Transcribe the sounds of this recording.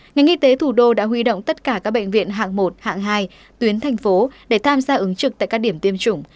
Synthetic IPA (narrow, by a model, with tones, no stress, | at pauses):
ŋa˨˩jʔi˧t̪e˨˦t̪ʰu˧˩ɗo˧ɗa̰ː˧˥ɦwi˧ɗo̰˧˨wŋ͡mt̪ə˦˥t̚kaː˧˩kaː˦˥k̚ɓə̰˧˨ŋ̟vḭ˧˨ənɦa̰ː˧˨ŋmo˨˩t̚ha̰ː˧˨ŋɦaː˧j | t̪wi˨˦ənt̪ʰa˨˩jŋ̟fo˨˦ɗe˧˩t̪ʰaː˧mzaː˧ʔɨ˨˦ŋt͡ɕɨ˨˩k̚t̪a̰ː˧˨jkaː˦˥k̚ɗi˧˩əmt̪i˧əmt͡ɕʊ˧˩ŋ͡m